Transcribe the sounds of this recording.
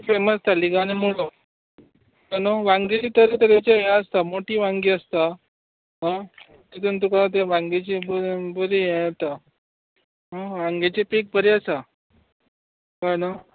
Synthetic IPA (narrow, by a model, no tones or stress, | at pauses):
feməst̪aliɡanemoɭo | ənoʋãŋɡet͡ɕiːt̪əɾit̪əɾet͡ɕejaəst̪amoʈiːʋãŋɡiːəst̪a | ɦã | t̪it̪unt̪̬ukat̪̬eʋãŋɡet͡ɕibəbəɾijɛt̪a | ɦaʋãŋɡet͡ɕipik̚bəɾiasa | kana